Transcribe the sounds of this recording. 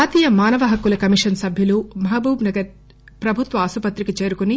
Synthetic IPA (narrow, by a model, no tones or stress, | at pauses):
aːt̪iːjɐmaːnɐʋɐɦɐkulɐkɐmiʂɐnsɐbʱjulumɐɦabuːbnɐɡɐɾ | pɾɐbʱut̪ʋɐːsupɐt̪ɾikit͡ʃe̞ːɾukuni